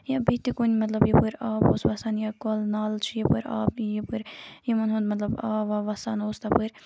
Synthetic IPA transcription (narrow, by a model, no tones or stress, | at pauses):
jabit̪ikonʲimɐt̪lɐbjipɨɾaːboːsʋɐsanjakolnaːlt͡ʃʰijipɨɾa̰ːbjipɨɾjimɐnɦond̪mɐt̪lɐba̰ːʋaʋɐsaːnoːst̪ɐpɨɾʲ